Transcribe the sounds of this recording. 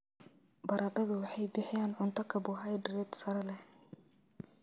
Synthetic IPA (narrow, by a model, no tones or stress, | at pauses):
bɐɾʔɐɖɐðʊwɑħɑjbɪħɪjaːnʕʊnt̪ʰɐkʰɐbʊɦɐjɖɾɛːd̪sɐɾɐlɛh